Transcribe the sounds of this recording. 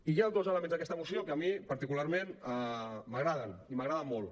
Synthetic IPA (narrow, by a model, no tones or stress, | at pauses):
ijad̪ozələmenzðəkɛst̪əmusiokəəmipaɾt̪ikulaɾmenaməɣɾaðəniməɣɾaðəmːolˠ